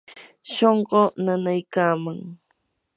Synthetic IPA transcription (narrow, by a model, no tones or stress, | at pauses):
ʃoɴɢonanajkaːmaŋ